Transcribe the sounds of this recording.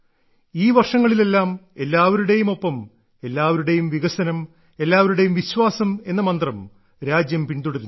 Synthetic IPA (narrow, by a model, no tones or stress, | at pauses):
iːʋɐrʂɐŋːɐɭile̞lːaːme̞lːaːʋɐɾuɽe̞jumo̞pːɐm | e̞lːaːʋɐɾuɽe̞jumʋiɣɐsɐnɐm | e̞lːaːʋɐɾuɽe̞jumʋiɕwaːsɐme̞nːɐmɐnd̪rɐm | ɾaːd͡ʑjɐmpiɳd̪uɽɐɾun